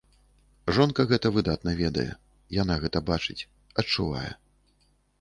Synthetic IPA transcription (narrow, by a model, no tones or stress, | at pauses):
ʐɔnkɐɣɛt̪ɐvɨd̪at̪̚nɐvʲɛd̪ɐ̰jɛ̰ | jan̪aɣɛt̪ɐbat͡ʂɨt͡sʲ | ɐtt͡ʂːuva̰jɛ̰